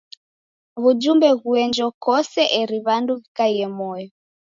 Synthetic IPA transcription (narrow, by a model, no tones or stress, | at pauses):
ɣud͡ʒumbɛɣuɛnd͡ʒɔkɔsɛʔɛɾiβanduβikaiɛmɔjɔ